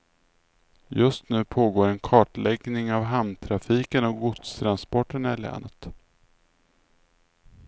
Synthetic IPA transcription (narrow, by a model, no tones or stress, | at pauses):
jɵst̪nʉ̟ːpʰoːɡoːɾɛnkʰɑːʈɭɛɡnɪŋavɦamnt̪ʰɾafiːkənɔk̚ɡʊt̪st̪ʰɾanspɔʈːənæɭɛ̰ːnət̪